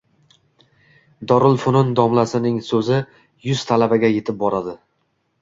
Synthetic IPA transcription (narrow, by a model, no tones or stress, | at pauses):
d̪ɒɾɪlˠfʊnʊnd̪ɒmlasɪnɪŋsɵzɪ | jʊz̥t̪ʰalabaɡʲaje̞t̪ʰɪp̚bɒɾad̪ɪ